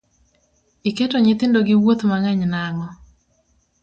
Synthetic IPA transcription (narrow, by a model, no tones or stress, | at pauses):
iketoɲɪt̪ɪndoɡɪwot̪maŋaɲnaŋɔ